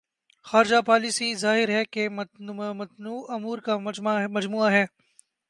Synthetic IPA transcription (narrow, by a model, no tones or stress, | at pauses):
xaːɾɪd͡ʒapaːlisizaːɦɪɾɦɛkemmɐt̪nuːɐmuːɾkamɐd͡ʒmuːaɦɛː